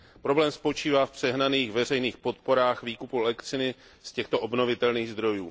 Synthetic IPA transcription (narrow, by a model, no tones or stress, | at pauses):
pɾo̞blɛːmspo̞t͡ʃiːvaːfpr̥ɛɦnaniːxvɛrɛjniːxpo̞t̪̚po̞ɾaːxviːkupulɛktt͡sɪnɪ | scɛxt̪o̞ʔobno̞vɪt̪ɛlniːɣzd̪ɾo̞jṵː